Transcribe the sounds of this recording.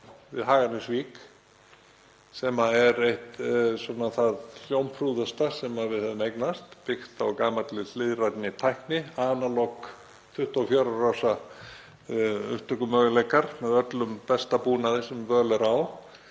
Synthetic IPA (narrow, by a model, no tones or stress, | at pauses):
vɪðɦaːɣanʏsviːk | sɛmaɛɾejht̪sɔnːaθaðljowmpʰɾuðʏst̪asɛmavɪðhɛðɪmejknast̪pɪxt̪awkaːmat̪lɪθɪðrajt̪nɪt̪ʰajhknɪaːnalɔk | t̪ʰʏht̪afjaɾarawsa | ʏ̰ht̪œkʏmœːɣʏlejkaɾ̥mɛðœt̪lʏmpɛst̪apuːnaðɪsɛmvœːlɛɾaw